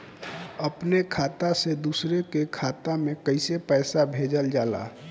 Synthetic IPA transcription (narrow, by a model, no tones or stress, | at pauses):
əpnekʰaːt̪ased̪usɾekekʰaːt̪amẽkəɪsepɛɪsabʱed͡ʒəld͡ʒaːla̰